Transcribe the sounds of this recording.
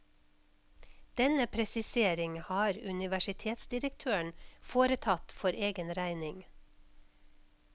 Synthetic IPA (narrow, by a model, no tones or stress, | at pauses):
d̪̥ɛnəpʰɾɛsɪseːɾɪŋhɑːɾʉnɪʋæʃɪt̪ʰeːt̪sd̪ɪɾəkt̪ʰøːəɳfoːɾət̪ʰɑt̪fɔɾʔeːɡənɾæɪnɪŋ